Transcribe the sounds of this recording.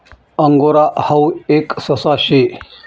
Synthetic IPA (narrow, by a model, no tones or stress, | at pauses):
əŋɡoɾaʔhaweksəsaɕe